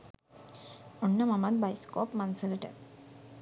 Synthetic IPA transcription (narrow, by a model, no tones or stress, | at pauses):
onːəmamad̪̚bajskoːpmansələʈə̰